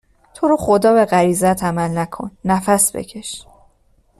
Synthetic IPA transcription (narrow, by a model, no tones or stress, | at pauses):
t̪ʰo̞ɾoxod̪ɒːbe̞ɣæɾiːzæt̪ʰæmælnækʰo̞̰nːæfæsbḛcʰe̞ʃ